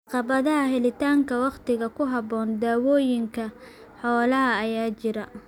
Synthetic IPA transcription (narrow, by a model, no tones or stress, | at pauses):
ɑqɑβɐðɐɦɐɦɛlɪt̪ʰaːŋkʰɐwɑqt̪ɪɣɐkʰʊɦɑbɔːnd̪aːwɔːjɪŋkʰɐ | ħɔːlɐɦɐːjaːt͡ʃɪɾɐ